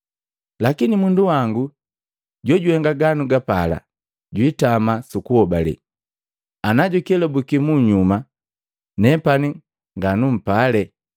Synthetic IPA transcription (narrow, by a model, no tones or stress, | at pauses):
lakinimunduwaŋɡu | ɟɔɟuhɛŋɡaɡanuɡapala̰ | ɟwitamasukuhɔbalɛ̰ | anaɟukiɛlɔbukimuɲuma | nɛpani | ŋɡanum̩palɛ